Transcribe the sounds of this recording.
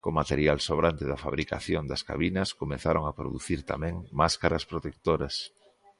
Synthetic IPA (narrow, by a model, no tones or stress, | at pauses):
komat̪eɾjalsoβɾant̪ɪðɐfa̰βɾikaθjond̪ɐska̰βinɐskomeθaɾoŋapɾo̰ðuθiɾt̪a̰mɛ̃ŋmaskaɾɐspɾot̪ek̚t̪oɾɐs